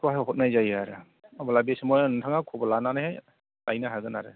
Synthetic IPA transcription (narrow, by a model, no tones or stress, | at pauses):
kwaɦeɦɔt̚najzajaɾɯ | abɔlabesemɔjntʰaŋakʰɔbɔlananahaj | lajnaɦaɡɯnaɾɯ̰